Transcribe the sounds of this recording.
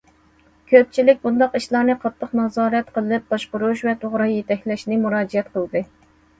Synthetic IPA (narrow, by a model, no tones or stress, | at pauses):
kʲʰøp̚t͡ʃʰilɪk̚ʲbund̪ɑqiʃlˠɑɾnɨqʰɑt̪ʰːəqnɑzɑːɾɛt̪qʰəlˠɨp̚b̥ɑʃqʊɾuʃvɛt̪ʰoʁɾɑjet̪ɛkʲlɛʃnɪmuɾɑːd͡ʒiɛt̪qəlˠd̪ɨ